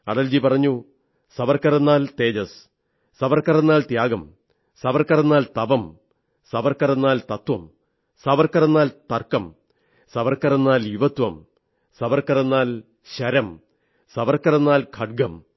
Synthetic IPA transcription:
ɐ̰ɽɐld͡ʑipɐrɐɲːu | sɐʋɐrkɐrenːaːlt̪e̞ːd͡ʑɐs | sɐʋɐrkɐrenːaːlt̪jaːɡɐm | sɐʋɐrkɐrenːaːlt̪ɐʋɐm | sɐʋɐrkɐrenːaːlt̪ɐt̪wʋɐm | sɐʋɐrkɐrenːaːlt̪ɐrkɐm | sɐʋɐrkɐrenːaːljuʋɐt̪ʋɐm | sɐʋɐrkɐrenːaːl | ɕɐɾɐm | sɐʋɐrkɐrenːaːlkʰɐɖ̚ɡɐm

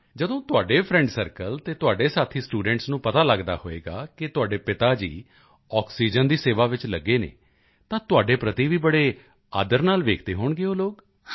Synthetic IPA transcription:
d͡ʒəd̪õːt̪ʊaːɖeːpʰɾɛ̃ːɳɖsəɾkəlt̪eːt̪ʊaːɖeːsaːt̪ʰiːsʈuːɖɛ̃ɳʈsnũːpət̪aːləɡd̪a̰ːhoːḛːɡa̰ːkɪt̪ʊaːɖeːpɪt̪aːd͡ʒḭː | ɔːksiːd͡ʒənd̪iːseːʋaːʋɪt͡ʃləɡːeːnḛː | t̪ãːt̪ʊaːɖeːpɾət̪iːʋiːbəɽeː | a̰ːd̪əɾnaːlʋeːkʰd̪eːɦoːɳɡeːoːloːk

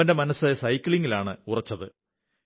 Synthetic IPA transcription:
ɐnde̞mɐnɐsɨsɐjkːiɭiŋɡilaːɳɨurɐt͡ɕːɐðɨ

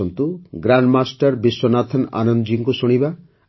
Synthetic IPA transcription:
ɔnt̪uɡɾaɳɖmasʈaɾbiswɔnat̪ʰɔna̰nɔnd̪d͡ʒiŋkusuɽ̃iba

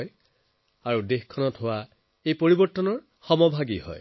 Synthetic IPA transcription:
j | aɹudexkʰɔnɔtɦʊwa | ejpoɹibɔɹtːɔnɔɹ | xɔmɔbʱaɡihɔ̰j

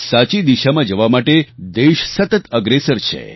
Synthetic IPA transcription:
sat͡ʃid̪iʃamãd͡ʒəʋamaʈed̪eʃsət̪ət̪əɡɾesəɾt͡ʃʰḛ

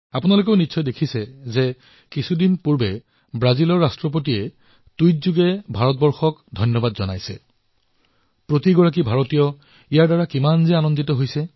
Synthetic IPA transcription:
apʊnalok̬ɛʊnitːsʰɔjdekʰisɛzɛ | kisʰudinpuɹbɛ | bɹazilɔɹːastɹɔp̬ot̬iɛ | tujtzuɡɛbʱaɹɔt̚bɔɹxɔkdʱɔjnjɔbadzɔna̰jsɛ̰ | pɹotiɡɔɹak̬ibʱaɹɔtijɔ | ijaɹdaɹakimanzɛanɔnditɔɦojsɛ

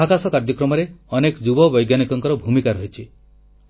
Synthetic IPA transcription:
akasɔkaɾd͡ʒɔkɾɔmɔɾeɔnekɔd͡ʒubɔbɔjɡjanikɔŋkɔɾɔbʱumikaɾɔɦit͡ʃʰi

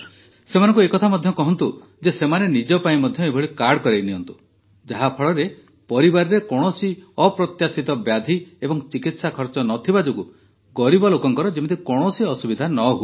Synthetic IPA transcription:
semanɔ̃ŋkuekɔt̪ʰamɔd̪ʱjɔkɔɦɔnt̪u | d͡ʒesemanenid͡ʒɔpaĩmɔd̪ʱjɔebʱɔɭikaɽkɔɾajniɔnt̪u̥ | d͡ʒaɦapʰɔɭɔɾe | pɔɾibaɾɔɾekɔɽ̃ɔsiɔpɾɔt̪jasit̪ɔbjad̪ʱiebɔŋt͡ʃikit̪sakʰɔɾt͡ʃɔnɔt̪ʰibad͡ʒoɡu | ɡɔɾibɔlokɔŋkɔɾɔd͡ʒimit̪ikɔɽ̃ɔsiɔsubid̪ʱanɔɦue

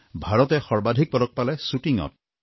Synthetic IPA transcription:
bʱaɹɔt̪ɛxɔɹbad̪ʱik̚pɔɾɔk̚palɛsuʈiŋɔ̰t̚

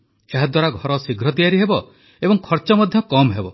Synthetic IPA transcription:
eɦad̪waɾaɡʱɔɾɔsiɡʱɾɔd̪ijaɾiɦebɔ | ebɔŋkʰɔɾt͡ʃɔmɔd̪ʱjɔkɔmɦebɔ

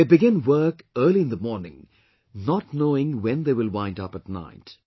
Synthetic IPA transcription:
ebɪɡɪ̃nwɜːkɜːliɨ̃nd̪əmɔːɾnɪ̰̃ŋ | nɔtnoːɪ̃ŋwɛ̃nd̪eːʋɪlwãɪ̃ndʌpət̚na̰ɪt

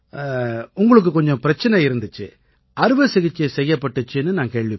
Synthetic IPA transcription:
ʊŋɡɐɭɯk̬ːɯkɔɲd͡ʒɔ̃pɪɾɐt͡ʃːɐnɛɪɾɯnd̪ɯt͡ʃːɯ | ɐɾɯʋɯsɪɣɪt͡ʃːɐsɛjːɐpːɐʈːɯt͡ʃːɯnːɯnaːŋkeːɭʋɪ

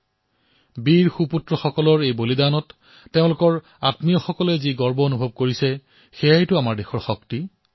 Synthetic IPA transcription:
biɹxuputɹɔxɔkɔlɔɹejbolidanɔtː | eʊ̃lʊkɔɹ | a̰tmijɔxɔkɔlɛziɡɔɹbɔonubʱɔb̚koɹisɛ | xejajtʊamaɹdexɔɹxɔkti

